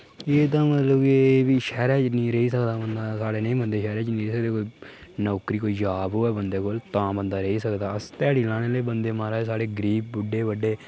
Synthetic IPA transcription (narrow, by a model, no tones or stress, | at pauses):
eːt̪̬ãːmət̪ləbkeːʋiːʃɛːɾɛːt͡ʃnĩːɾəɦiːsəkd̪aːbənd̪aːsaːɽeːnĩːbənd̪eːʃɛːɾɛːt͡ʃnĩːɾeːsək̚d̪eːkoːiːnɔːkɾiːkoːiːd͡ʒaːbɦoːɛːbənd̪eːkʊlt̪ãːbənd̪aːɾəɦiːsəkd̪aːəst̪ɛːɽiːlãːñeːleːbənd̪eːmaːɾaːsaːɽeːɡɾiːp̚bʊɖːeːbəɖːeː